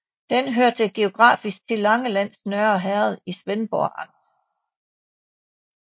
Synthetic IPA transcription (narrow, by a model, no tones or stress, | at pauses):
d̥enɦøɐ̰t͡sʰe̝ɡ̥e̝o̝ɡ̥ʁɑ̰̈ːfisɡ̥̚t͡sʰe̝lːɑ̈ŋəlæn̰snœɐɦɛɐð̞ˠisʋenb̥ɒ̰ːʔɑ̈ŋd̥